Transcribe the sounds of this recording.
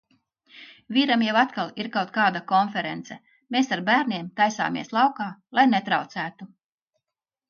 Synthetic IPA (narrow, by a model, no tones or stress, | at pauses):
vʲiːɾamjawat̪kalˠiɾkawt̪̚kaːd̪akɔnfɛɾent̪sɛ | meːsaɾbæːɾnʲiɛmt̪ajsa̰ːmiɛslˠɑwkaːlˠajnet̪ɾawt̪sæːt̪u